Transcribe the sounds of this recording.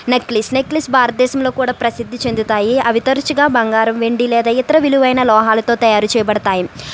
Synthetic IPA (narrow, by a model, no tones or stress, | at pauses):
nekːlisnekːlisbʱaːɾɐt̪̚d̪ɛːʃɐmlo̞ːkuːɽaːpɾɐsid̪ʱːit͡ʃe̞nd̪ut̪aːjiɐʋit̪ɐɾt͡ʃiɡaːbɐŋɡaːɾɐmʋeɳɖilɛːd̪ɐjit̪ɐɾɐʋiluʋɐjnɐlɔːɦaːlɐt̪o̞ːt̪ɐjaːɾut͡ʃɛːjɐbɐɽɐt̪aːji